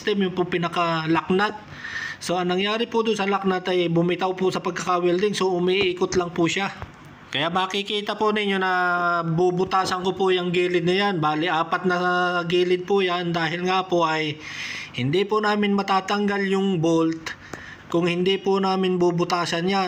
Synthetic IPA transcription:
st̪ɛmjʊŋpʊŋpɪnɐkɐlɐk̚nat̪̚ | so̞ʔɐŋnɐŋjaːɾɪpʊd̪onsɐlɐk̚nat̪ɐjbʊmɪt̪aʊpʊsɐpɐɡ̚kɐkawɛld̪ɪŋso̞ʔʊmiʔiːkʊt̪lɐŋpʊʃa | kɐjaʔmɐkɪkiːt̪ɐpʊnɪɲjonɐbubʊt̪aːsɐnkopʊjɐŋɡiːlɪd̪̚nɐjanbaːlɪʔaːpɐt̪̚nɐɡiːlɪd̪̚pʊjand̪aːɦɪlŋapoʔɐjhɪnd̪ipʊnaːmɪnmɐt̪aːt̪ɐŋɡaljʊŋbolt̪ | kʊŋhɪnd̪ipʊnaːmɪnbubʊt̪aːsɐnja

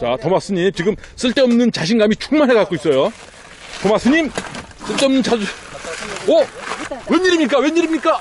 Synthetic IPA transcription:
t͡ɕatʌmas͈ɯɲimt͡ɕiɡɯms͈ɯɭt͈eʌmnɯnt͡ɕaɕʰinɡamit͡ɕuŋmanɦekak͈ois͈ʌjo | tʌmas͈ʰɯɲim | s͈ɯɭt͈eʌmnɯnt͡ɕa | ʌweɲiɾimɲik͈awe̞ɲiɾimɲik͈a

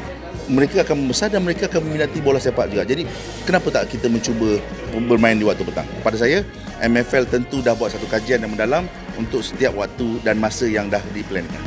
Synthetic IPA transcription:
məɾekəakanməmbəsardanməɾekaakanmə̃minat̪ibolasepat̪̚d͡ʒuɡaʔd͡ʒadi | kənapət̪aʔkit̪əmə̃ɲt͡ʃubə | bərmãɪndiwak̚t̪upət̪a̰ŋkəpadas̬aja | ʔɛmɛfɛlt̪ənt̪udahbuat̪̚sat̪ukad͡ʒianjãŋməndalam | unt̪ʊk̚sə̥t̪iap̚wa̰k̚t̪udanmasəjaŋdahdiplɛnka̰n

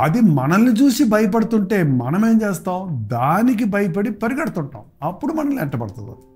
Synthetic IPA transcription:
ɐd̪imɐnɐnːit͡ʃuːsibʱɐjɐp̬ɐɽut̪uɳʈe̞ːmɐ̰nɐme̞ːmt͡ʃe̞ːst̪aːwd̪aːnik̬ibɐjɐp̬ɐɽipɐɾiɡɐɽɐt̪uɳʈa̰ːmɐpːuɽumɐnɐnːiɛʈːɐpɐɽɐt̪und̪ɐ

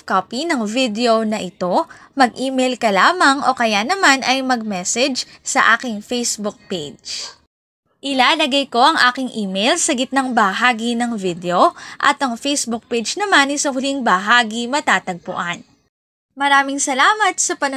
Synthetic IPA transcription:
kopinɐŋvid̪ɛo̞nɐʔɪt̪o̞ | mɐɡ̚ʔiːmejlkɐlaːmɐŋʔo̞kɐjanɐmanʔɐjmɐɡ̚mɛsɛd͡ʒsɐʔaːkɪŋfejsbʊk̚pejd͡ʒ | ʔɪlaːlɐɡɐjko̞ʔɐŋʔaːkɪŋʔiːmejlsɐɡɪt̪̚nɐŋbɐɦaːɡinɐŋvid̪ɛo̞ʔɐ̰t̪ʔɐŋfejsbʊk̚pejd͡ʒnɐmanɐjsɐkʊliŋbɐɦaːɡimɐt̪aːt̪ɐɡ̚pʊ̰ʔan | mɐɾaːmɪŋsɐlaːmɐt̪̚sɐpɐnɐ

